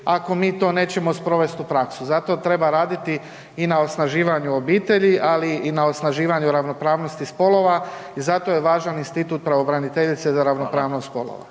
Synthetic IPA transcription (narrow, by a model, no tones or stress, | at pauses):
ako̞miːt̪o̞ːne̞ːt͡ɕe̞mo̞spɾo̞ʋe̞st̪upɾaksuzat̪o̞t̪ɾe̞baɾaːd̪it̪i | inao̞snaʒiːʋaɲuo̞biːt̪e̞ʎiʔaliːnaosnaʒiːʋaɲuɾaʋno̞pɾaːʋno̞st̪ispo̞lo̞ʋaizat̪o̞jeʋaːʒaninst̪it̪uːt̪̚pɾaʋo̞bɾanit̪e̞ʎit̪se̞zaɾaʋnopɾaːʋnost̪po̞lo̰ʋa̰